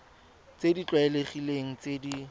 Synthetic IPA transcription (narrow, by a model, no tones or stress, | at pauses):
t͡sedit͡ɬwaɪleχileŋ̩t͡sedi